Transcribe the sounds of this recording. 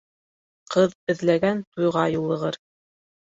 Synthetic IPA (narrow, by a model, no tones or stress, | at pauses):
qɤðɘ̆ðlæɡænt̪ujʁɑjulˠːɤ̆ʁɤɾ